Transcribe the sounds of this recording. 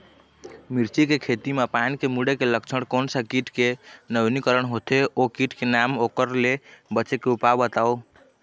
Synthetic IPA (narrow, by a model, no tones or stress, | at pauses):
miɾt͡ʃikekʰet̪imapanikemuɽekeləkt͡ʃʰəɽkonsəkiʈkenəbnikəɾəɳɦot̪eʔokiʈkenamokəɾlebət͡ʃekeupabət̪ao